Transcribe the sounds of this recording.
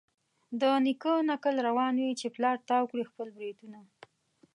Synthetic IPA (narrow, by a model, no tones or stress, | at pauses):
d̪ənikənakəlɾawɑnwit͡ʃeplɑɾt̪ɑwkɽixpəlbɾid̪una